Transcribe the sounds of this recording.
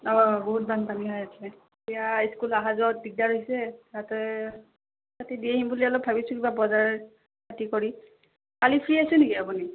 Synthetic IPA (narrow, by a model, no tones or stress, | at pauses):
ɔbɔɦut̚bʱanpaniɦɔjatʰlɛ | ijaiskulaɦazɔt̚biɡ̚daɹoɦjsɛɹatɔ | tatɛdieɦimbulialɔbʱabisʊ̃kibabɔzaɹɹ | katikɔɹi | kalipʰɹiasʊ̃nekiapuni